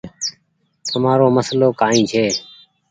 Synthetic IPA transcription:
t̪ʰəmaːɾoːməsloːkaːĩːt͡ʃʰeː

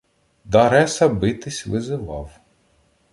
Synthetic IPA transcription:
d̪ɐɾɛsɐbɪt̪ɪsʲʋɪzɪʋɑw

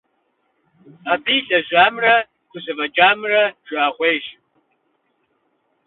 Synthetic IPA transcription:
abiːɬʼɐʒʷaːmrɐ | kʷʼʊɕɐvɐd͡ʒaːmrɐʒ̥ʷaːχʷeːʒ

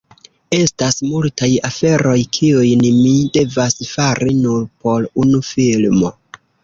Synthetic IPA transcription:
e̞stasmultajafe̞ɾo̞jkʰiujnmide̞vasfaɾinuɾpo̞ɾunufilmo̞

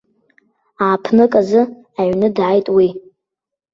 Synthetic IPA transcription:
aːpʰnɨkʼazɨ | aɥnɨdʕajtʼwi

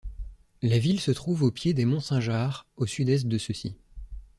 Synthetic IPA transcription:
lavilsət̪χuvopjed̪emɔ̃sɛ̃ʒaʁosyd̪ɛs̬t̪̚d̪əsəsḭ

